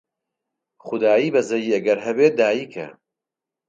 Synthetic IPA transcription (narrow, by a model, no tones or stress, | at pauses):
χʊd̪aːjiːbɐzɐjiːɐɡɐɾɦɐbeːt̪̚d̪aːjiːkʰɐ̰